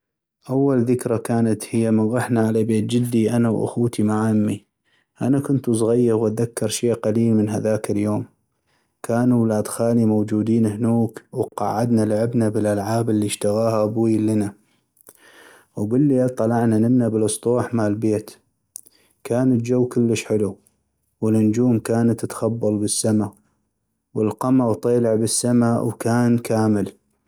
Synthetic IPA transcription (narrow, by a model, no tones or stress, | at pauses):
ʔawːalðɪkɾakaːnat̪hɪjːamɪnɣɑħnaʕalabeːt̪̚d͡ʒɪd̪ːiʔanawʔa̰xuːt̪ʰimaʕamːi | ʔanakʊnt̪ʔsˤɣajːɪɣwʔaðakːɑɾˤʃeːʔqaliːlmənɦaðaːkɪljoːm | kʰaːnuwlaːd̪xaːlimowd͡ʒuːd̪iːnhnuːkwqɑ̰ʕːad̪nalʕɪbnabəlʔalʕaːbɪlːiʃt̪aɣaːhaʔbwiːlɪna | wbɪlːit̪ˤːɑlɑʕnanɪmnabəlsˤt̪ˤuːħmaːlbeːt̪ | kaːnɪt̪̚d͡ʒawːkɪlːəʃħɪlu | wɪlʔʊnd͡ʒuːmkaːnat̪ːɪt̪xɑbːɑlˤbəsːama | wəlqɑmɑɣt̪ˤeːlɪʕbɪsːamawkaːnkaːmɪl